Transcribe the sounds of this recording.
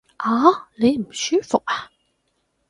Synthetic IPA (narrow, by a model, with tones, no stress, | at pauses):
ʔaː˨˥˦le˨˧jm̩˨˩syː˨˥fʊ˨k̚a˨